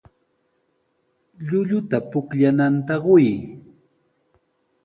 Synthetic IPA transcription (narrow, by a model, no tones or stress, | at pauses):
ʎʊʎʊt̪apʊkʎanant̪aɢʊj